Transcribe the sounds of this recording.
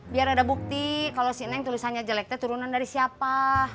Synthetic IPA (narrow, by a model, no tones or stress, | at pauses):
biaɾadabuk̚t̪ikalosiənɛŋt̪ulisanɲad͡ʒalɛk̚t̪at̪uɾunandaɾisiapa